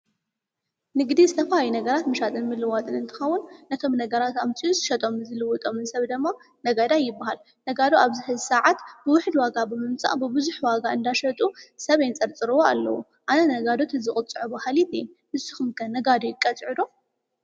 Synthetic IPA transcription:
nɨɡd̪izɨt̪ʰɐfɐlajunɐɡɐɾat̪mɨʃat̪ʼɨnmɨlːɨwat̪ʼɨnɨnt̪ʰɨ̥xɐwːʊnːɐkʰɐmnɐɡɐɾat̪amt͡sʼijuzɨʃɐt̪ʼo̞mɨzɨlɨwɔt̪ʼo̞mɨnsɐβd̪ɨmːa | nɐɡɐd̪ajɪbːahal | nɐɡad̪oaβzɨhɨzsɐʕat̪b̥ɨwʊħd̪waɡabɨmɨmt͡sʼa̰ʔbɨbɨzuħwaɡaɨnd̪aʃɐt̪ʼusɐβejnt͡sʼɐɾt͡sʼɨɾɨwoa̰lːɐ̰wu | ʔanɐnɐɡad̪ot̪ʰɨzɨχʼʊt͡sʼɨʕubɐhalit̪ɛ | hɨsːɨ̥xumkʰɐnnɐɡad̪ojɪkʼːɐt͡sʼʕɨd̪o

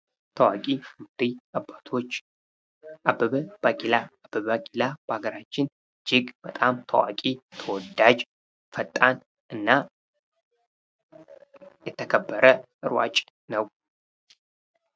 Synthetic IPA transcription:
t̪ʰəwakʼiud̪iabat̪ʰot͡ʃː | ʔabːəβəbaɡʼilaːbəβakʼilab̥əaɡəɾat͡ʃːɪn | d͡ʒɪɡb̥ət̪ʼamt̪ʰəwa̰kʼit̪ʰəwɔd̪ad͡ʒ | fət̪ʼːan | ʔɨnːa | jɛt̪ʰəkʰəbːəɾəʔɨɾwa̰t͡ʃʼ | nəw

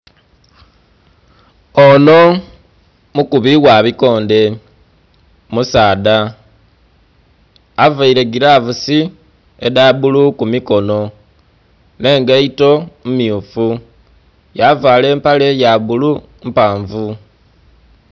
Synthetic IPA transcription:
ono̞ | mukuβiɣwaβiko̞ːnde̞ | musaːda | vaiɾe̞ɡiɾavusi | edaβulukumiko̞no̞ | ne̞ːŋɡeito̞mumiufu | javaːle̞ːmpale̞jaβulu | mpaːɱvu

